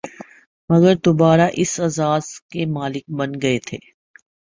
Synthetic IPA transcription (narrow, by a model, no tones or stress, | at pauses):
mɐɡəɾd̪obaːɾaʔɪsɐzaːz̥kemaːlɪk̚bɐnɡɐet̪ʰḛː